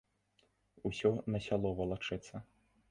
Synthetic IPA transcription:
usʲɔnɐsʲalˠɔvɐlˠat͡ʂɨt̪sːɐ

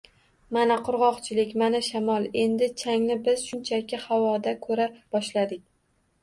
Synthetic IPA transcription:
manaqʰʊɾʁɒqt͡ʃʰɪlɪkʲmanaʃamɒlˠe̞nd̪ɪt͡ʃʰaŋnɪbɪz̥ʃʊnt͡ʃʰakʲɪhawɒd̪akʰɵɾab̥ɒʃlad̪ɪk̚ʲ

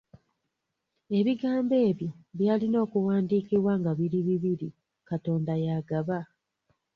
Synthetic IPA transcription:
e̞βiɡaːmbe̞ːβjoβjaːlino̞ːkuwaːndiːkiβwaːŋɡaβiɾiβiβiɾi | kato̞ːndajaːɡaβa

